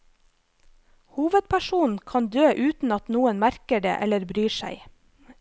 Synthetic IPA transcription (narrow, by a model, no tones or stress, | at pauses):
huːʋəd̪̚pʰæʃuːn̩kʰɑnd̪øːʔʉːt̪n̩ɑt̪nuːənmæɾkəɖḛːʔɛləɾbɾyːʃæ̰ɪ